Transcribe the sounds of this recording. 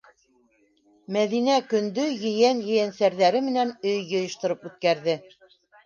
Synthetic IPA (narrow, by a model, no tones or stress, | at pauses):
mæðinækɵ̆nd̪ɵjɘ̆jænjɘ̆jænsæɾðæɾɘmɘ̆nænɵjːŏjŏʃt̪ŏɾɤpʉθkæɾðɘ